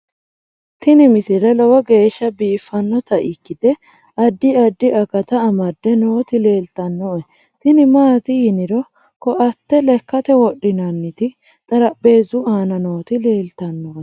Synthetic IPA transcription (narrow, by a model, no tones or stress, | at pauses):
t̪ɪnɪmɪsɪɾɛlɔwɐɡe̞ːʃːɐbiːfːɐnːɔt̪ɐʔɪkːɪd̪̥ɛ | ɐd̪ːɪɐd̪ːɪʔɐkɐt̪ɐːmɐd̪ːɛnoːt̪ɪle̞ːlt̪ɐnːɔʔɛ | t̪ɪnɪmaːt̪ɪjɪnɪɾɔ | kɔʔɐt̪ːɛlɛkːɐt̪ɛwɔɗːɪnɐnːɪt̪ɪ | t̪ʼɐɾɐbːe̞ːzʊʔaːnɐno̞ːt̪ɪle̞ːlt̪ɐnːɔːʔɛ